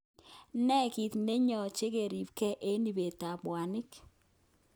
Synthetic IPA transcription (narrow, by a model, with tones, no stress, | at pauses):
nɛ˦ki˨t̪ne˦ɲɔ˨t͡ʃe˦ke˨ɾi˨pkɛ˦ʔe˦ni˨be˨ta˨bwa˨nɪ˦k